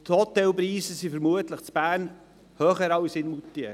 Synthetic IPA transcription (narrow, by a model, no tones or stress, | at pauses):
t̪hɔt̪ɛlpɾiːsəsifəɾmuətləχt͡sb̥æːrn | hœːχəɾɑlsɪnmutːiə